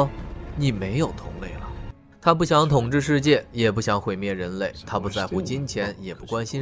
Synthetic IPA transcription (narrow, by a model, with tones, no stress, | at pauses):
ni˨˩me˧˥ɪjo˨˩ʊt̪ʰʊ˧˥ŋle˥˩ɪlə˩ | t̪ʰa˥p̬u˥˩ɕjɑ˧˥ŋt̪ʰʊ˨˩ŋʈ͡ʂɻ̩˥˧ʂ̬ɻ̩˥˧t͡ɕjɛ˥˩jɛ˨˩p̬u˥˩ɕjɑ˧˥ŋxwe˨˩ɪmjɛ˥˩ɻə˧˥nle˥˩ɪt̪ʰa˥pu˧t͡sa˥˧ɪxu˥˩t͡ɕi˥nt͡ɕʰjɛ˧˥njɛ˨˩pu˥˩kwa˥nɕi˥n